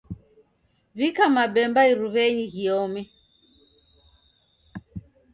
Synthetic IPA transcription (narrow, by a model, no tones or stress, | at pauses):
βikamabɛmbaiɾuβɛɲiɣiɔmɛ